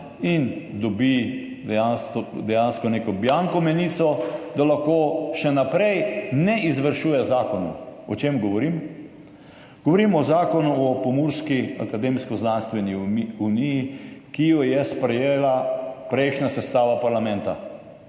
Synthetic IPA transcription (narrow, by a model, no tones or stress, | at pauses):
ind̪ɔbi | d̪ɛjansɔd̪ɛjanskɔneːkɔbjaŋkɔmɛniːsɔd̪alaxkoːʃɛnapɾɛjnɛʔizʋəɾʃuːjɛzaːkɔnṵɔt͡ʃeːmɡɔʋɔɾim | ɡ̥ɔʋɔɾiːmɔzaːkɔnuɔpɔmuɾskia̰kad̪emskɔznanst̪ʋɛniunijikijɔjɛspɾɛjeːlapɾɛɪʃnasɛst̪aːʋapaɾlamɛ̃nt̪a̰